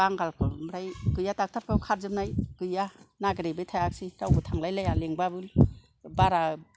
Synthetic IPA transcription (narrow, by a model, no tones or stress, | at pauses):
aŋɡalkʰɯmɾajɡɯjatak̚tʰaɾpʰawkʰaɾzɯpnajɡ̥ɯjanaɡɾebɯjtʰajak̚siɾawbɯtʰaŋlajlajaleŋbabɯl | baɾa